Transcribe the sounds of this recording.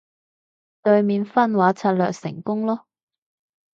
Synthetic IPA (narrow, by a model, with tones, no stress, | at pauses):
t̪ɵ˧ɥmiː˨˧nfɐ˥nwaː˨˥t͡sʰɐː˧t̚lœ̰ː˨k̚sɪ̰˨˩ŋkʊ˥ŋlɔː˥